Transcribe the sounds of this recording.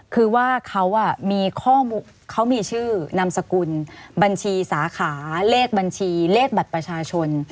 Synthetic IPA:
kʰɯː˧waː˥˩kʰa˦˥wʔa˧˩miː˧kʰɔː˥˩muː˧ | kʰa˦˥wmiː˧t͡ɕʰɯː˥˩na˧msa˧ku˧nba˧nt͡ɕʰiː˧saː˩˦kʰaː˩˦leː˥˩k̚ba˧nt͡ɕʰiː˧leː˥˩k̚ba˨˩t̪̚pɾa˧t͡ɕʰaː˧t͡ɕʰo˧n

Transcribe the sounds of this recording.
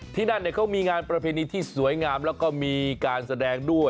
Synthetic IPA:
t̪ʰiː˥˩na˥˩nːi˥˩kʰa˦˥wmiː˧ŋaː˧npɾa˧pʰeː˧niː˧t̪ʰiː˥˩su˩˦əjŋaː˧mlɛː˦˥wkɔː˥˩miː˧kaː˧nsa˧dɛː˧ŋdu˥˩əj

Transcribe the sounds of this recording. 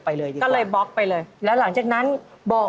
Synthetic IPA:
pa˧jlɤː˧jdi˧kɔː˥˩lɤː˧jbɔ˦˥k̚pa˧jlɤː˧jlɛː˦˥wla˩˦ŋt͡ɕaː˨˩k̚na˦˥n | bɔː˨˩

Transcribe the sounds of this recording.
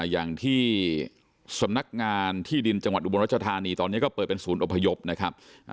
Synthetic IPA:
jaː˨˩ŋt̪ʰiː˥˩ | sa˩˦mna˦˥k̚ŋaː˧nt̪ʰiː˥˩di˧nt͡ɕa˧ŋwa˨˩t̪ʔu˧bo˧ɾa˥t͡ɕa˧t̪ʰaː˧niː˧t̪ɔː˧nː˦˥kɔː˥˩pɤː˨˩t̪̚pe˧nsuː˩˦nʔo˨˩pʰːa˧jo˦˥p̚na˦˥kʰɾa˦˥p̚

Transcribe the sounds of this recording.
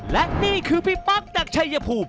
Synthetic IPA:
lɛ˦˥ʔniː˥˩kʰɯː˧pʰiː˥˩pa˦˥k̚naː˨˩k̚t͡ɕʰa˧jːaː˧pʰuː˨˩p̚

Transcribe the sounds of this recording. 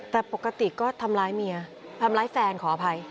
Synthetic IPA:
t̪ɛː˨˩po˨˩kːa˧t̪i˨˩kɔː˥˩t̪ʰa˧mlaː˦˥jmi˧ɐ | t̪ʰa˧mlaː˦˥jfɛː˧nkʰɔː˩˦a˧pʰa˧j

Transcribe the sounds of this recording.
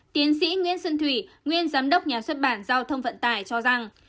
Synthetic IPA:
t̪i˨˦ənsḭ˧˥ŋwḭ˧˥ənsə˧nt̪ʰwi˧˩ | ŋwi˧ənzaː˨˦mɗə˦˥wk͡p̚ɲaː˨˩swə˦˥t̚ɓaː˧˩nzaː˧wt̪ʰə˧wŋ͡mvə̰˧˨nt̪aː˧˨˩jt͡ɕɔ˧za˨˩ŋ

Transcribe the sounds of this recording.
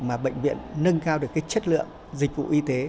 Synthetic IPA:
maː˨˩ɓə̰˧˨jŋ̟vḭ˧˨ənːə˧ŋkaː˧wɗɨ˨˩əkːaː˨˦jt͡ɕə˦˥t̚lɨ̰˧˨əŋ | zï˨˩k̟̚vṵ˧˨ʔi˧t̪e˨˦

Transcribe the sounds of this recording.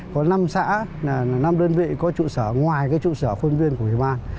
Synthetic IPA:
kɔ˨˦na˧msa̰ː˧˥˨na˧mɗəː˧nvḭ˧˨kɔ˨˦t͡ɕṵ˧˨səː˧˩ŋwaː˨˩jkaː˨˦jt͡ɕṵ˧˨səː˧˩xwə˧nvi˧ənku˧˩ə˨wi˧˩ɓaː˧n

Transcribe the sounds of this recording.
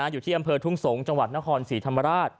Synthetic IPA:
aː˩˦juː˨˩iː˥˩ʔmpʰɤː˧t̪ʰu˥˩ŋso˩˦ŋt͡ɕa˧ŋwa˨˩t̪̚na˦˥kʰɔː˧nsiː˩˦t̪ʰa˧mːa˧ɾaː˥˩t̪̚

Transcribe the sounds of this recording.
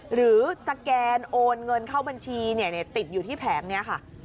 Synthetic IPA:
ɾɯː˩˦sa˧kɛː˧nʔoː˧nŋɤ˧nkʰaː˥˩wba˧nt͡ɕʰiː˧ni˥˩əni˥˩ɐt̪i˨˩t̪̚juː˨˩iː˥˩pʰɛː˩˦ŋni˥˩ɐkʰa˥˩

